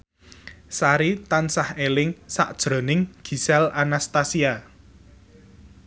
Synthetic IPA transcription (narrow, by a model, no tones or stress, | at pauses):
saɾit̪ansahelɪŋsa̰ʔd̥ʒ̥ɾo̤nɪŋɡ̥i̤sɛlanast̪asia